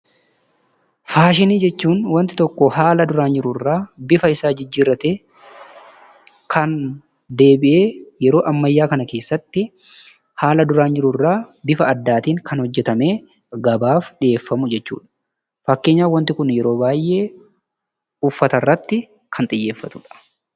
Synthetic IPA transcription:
faːʃɪniːd͡ʒɛt͡ʃːuːnwɐnt̪ɪ̥t̪ɔkːɔhaːlɐd̪ʊɾaːnd͡ʒɪɾʊrːaːbɪfɐɪsaːd͡ʒɪd͡ʒːiːɾɐt̪eː | kʰɐn | d̪e̞ːbɪʔe̞ːjɛɾo̞ːʔɐmːɐjːaːkɐnɐke̞ːsːɐt̪ːɪ | haːlɐd̪ʊɾaːnd͡ʒɪɾʊrːaːbɪfɐːd̪ːaːt̪iːŋkɐnhɔd͡ʒːɛt̪ɐme̞ː | ɡɐbaːfᶑɪʔeːfːɐmʊd͡ʒɛt͡ʃːṵːᶑɐ̥ | fɐkːeːɲːaːwɐnt̪ɪkʊnjɛɾo̞ːbaːjʔe̞ː | ʊfːɐt̪ɐrːɐt̪ːɪ | kʰɐnt̪ʼɪjːe̞ːfːɐt̪ʊᶑɐ̥

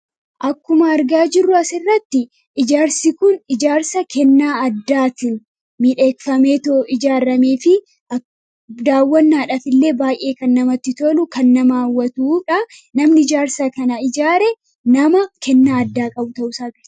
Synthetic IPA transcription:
ʔɐkːʊmɐːɾɡaːd͡ʒɪrːʊɐsɪrːɐt̪ːɪ | ɪd͡ʒaːɾsɪkʊnɪd͡ʒaːɾsɐkʰɛnːaːɐd̪ːaːt̪ɪn | miːᶑeːkfɐmeːt̪oɪd͡ʒaːɾɐme̞ːfɪ | ɐ | d̪aːwːɐnːaːᶑɐfɪlːe̞ːbaːjʔe̞ːkɐnːɐmɐt̪ːɪt̪olʊkɐnːɐmaːwːɐt̪uːᶑɐ | nɐmnɪɪd͡ʒaːɾsɐkɐnɐɪd͡ʒaːɾɛ | nɐmɐkʰɛnːaːɐd̪ːaːkʼɐbʊt̪ɐʔʊsaːɡɪɾt̪

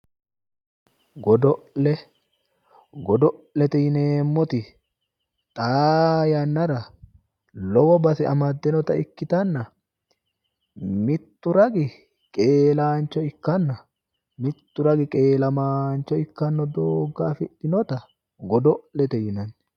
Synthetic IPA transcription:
ɡɔd̪ɔlɛ | ɡɔd̪ɔʔlɛt̪ɛjɪneːmːɔt̪ɪ | t̪ʼaːjɐnːɐɾɐ | lɔwɔbɐsɛɐmɐd̪ːɛnɔt̪ɐɪkːɪt̪ɐnːɐ | mɪt̪ːʊɾɐɡɪ | kʼe̞ːlaːnt͡ʃːɔɪkːɐnːɐ | mɪt̪ːʊɾɐɡɪkʼe̞ːlɐmaːnt͡ʃːɔɪkːɐnːɔd̪oːɡːaːfɪᶑɪnɔt̪ɐ | ɡɔd̪ɔlɛt̪ɛjɪnɐnː

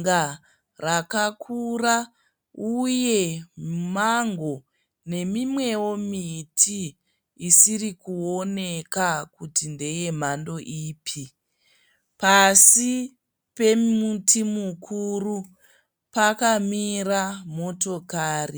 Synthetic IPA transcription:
ŋɡa | rakakʰura | uje̞maŋɡo̞ | ne̞mimwe̞wo̞mitʰiː | sirikuo̞ne̞kakutinde̞je̞m̤ando̞ʔiːpʰi | pasi | pe̞mutʰimukʰuru | pakamiramo̞to̞kaːri

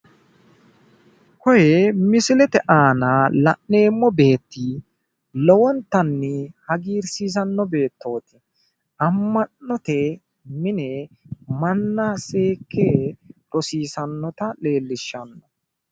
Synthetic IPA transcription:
kɔjɛmɪsɪlɛt̪ɛʔaːnalɐ̰nːe̞ːmːɔbe̞ːt̪ːi | lɔwɔnt̪ɐnːɛhɐɡiːɾsiːs̬ɐnːɔbe̞ːt̪ːoːt̪ɪ | ɐmːɐnːɔt̪ɛ | mɪnɛ | mɐnːɐse̞ːkːeːɾɔsiːsɐnːɔt̪ɐle̞ːlːɪʃːɐnːɔ

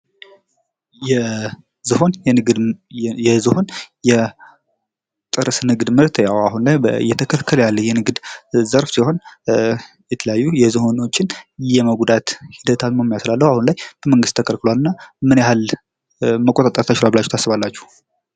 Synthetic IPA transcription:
jɛ | zɨho̞n | ɛzɨho̞njɛ | t̪ʼɨɾɨsnɨɡd̪mɨɾt̪jawahunlajbjːɛt̪ʰəkʰəlkʰːəljalːəjɛnɨɡd̪zəɾfsiho̞n | jɛt̪ʰələjajːujɛzɨho̞no̞t͡ʃːɪnjɛməɡʷd̪at̪hid̪ət̪ʰalməmijast̪lalːəhuahunlajb̥əməŋɡɨst̪ːʰəkʰəlkɨloalɨnːamɨnjahal | məkʼot̪ʼat̪ʼːəɾt̪ʰat͡ʃːɪlabɨlat͡ʃːu̥t̪ʰasːɨβalːat͡ʃːu̥h

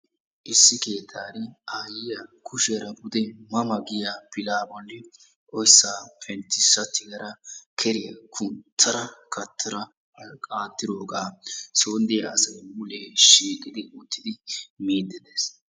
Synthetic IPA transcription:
ʔɪsːɪke̞ːt̪ʰːaːɾɪaːjɪjɐkʰʊʃɾɐbʊd̪ɛmɐmɐɡɪjapɪlaːbɔlːɪ | ʔɔjsːaːpʰɛnt̪ːɪsːɐt̪ːɪɡɐɾɐkʰɛɾɪjɐkʰʊnt̪ʰːɐɾɐkʰɐt̪ʰːɐɾɐ | ɐkʼaːt̪ːɪd̪o̞ːɡaːsoːnd̪ɪjɐɐsɐjmʊleːʃiːkʼɪd̪ɪʊt̪ːɪd̪ɪmiːd̪ːɪd̪eːs

